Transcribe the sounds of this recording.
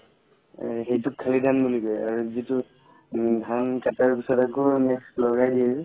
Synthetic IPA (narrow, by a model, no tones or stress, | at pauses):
xejtʊkʰːalidʱanbulikɔja̰ɹuzitʊ | dʱankataɹɡisatakɔnɛklɔɡajdiɛ